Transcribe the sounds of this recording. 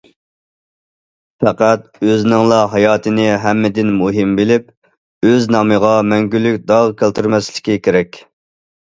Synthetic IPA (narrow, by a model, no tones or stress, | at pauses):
fɛqæt̪̚øznɪŋlˠɑɦɑjɑːt̪ʰɨnɪɦɛmːɪd̪ɪnmuɦɪmbɪlɪp̚ | øznɑməʁɑmɛŋɡʲylːykʲd̪ɑʁkʲʰelt̪ʰyɾmɛslɪ̥kʲikʲʰeɾɛkʲ